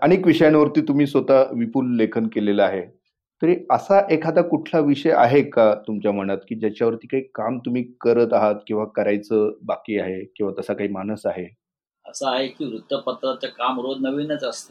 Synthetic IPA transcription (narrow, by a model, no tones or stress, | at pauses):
aɽĩekʋiʂəjanʋəɾt̪iːt̪um̤iːsʋət̪aʋipulːekʰənkelelaaɦe | t̪əɾiəsaʔekʰad̪akuʈʰlaʋiʂəja̰ɦekat̪umt͡ɕjam̤əɽ̃at̪kiːd͡ʑjat͡ɕjaʋəɾt̪iːkaɦiːkamt̪um̤iːkəɾət̪aɦət̪kĩw̃ʋakəɾajt͡səbakiːaɦekĩw̃ʋat̪əsakaɦiːmanəsaɦe | əsəaɦekiːʋɾut̪ːəpət̪ɾat͡səkamɾod̪̚ʱnəʋinət͡səst̪ə